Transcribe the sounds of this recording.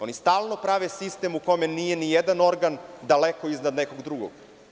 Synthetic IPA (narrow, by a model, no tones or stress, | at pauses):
o̞nist̪aːlˠno̞pɾaʋesist̪e̞mukomenijenijed̪ano̞ɾɡand̪alekoiznad̪neko̞ɡd̪ɾuɡo̰ɡ